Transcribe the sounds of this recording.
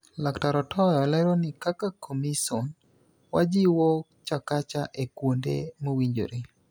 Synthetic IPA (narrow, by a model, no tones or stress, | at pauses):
laktaɾɔtʰɔjɔlɛɾonɪkakakʰomisɔn | wad͡ʒɪwo | t͡ʃakat͡ʃaʔekwondḛmowiɲd͡ʒo̰ɾe